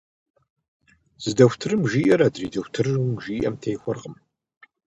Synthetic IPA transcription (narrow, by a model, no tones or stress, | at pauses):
z̥ɨdɐxʷtʰɨrɨmʒiːʔɐɾɐdriːdɐxʷtʰɨrɨwmʒiːʔɐ̰mtʰejxʷɔrqəm